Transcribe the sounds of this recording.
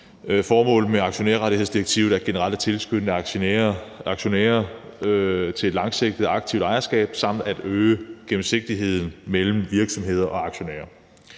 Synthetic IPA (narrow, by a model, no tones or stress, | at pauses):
fɒːmɔ̰̽ːl̩meɑ̈ɡ̥ɕo̝neɐʁɑɾihe̝ðˠsd̥iʁeɡ̥̚t͡sʰiʊð̞̩ˠæɐɡ̥e̝nəʁɑ̈l̰d̥æt͡sʰe̝lsɡ̥ød̥nə | ɑ̈ɡ̥ɕo̝nɛ̰ːɐ | t͡sʰe̝e̝̥lɑ̈ŋseɡ̥d̥ð̩ˠɑ̈ɡ̥̚t͡sʰiʊd̥ɑ̈ɪɐsɡ̥ɛ̰ːb̥sɑ̈m̰d̥æd̥øːəɡ̥em̩se̝ɡ̥̚d̥iɦe̝ð̞̰ˠn̩mel̰m̩ʋiɐɡ̥sɒ̽mɦe̝ð̰ˠɐʔɒ̽ɑ̈ɡ̥ɕo̝nɛ̰ːɐ